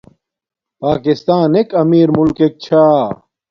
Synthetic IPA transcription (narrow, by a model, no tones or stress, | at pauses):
paːkist̪aːnekɐmiːɾmulkek̚t͡ɕʰaː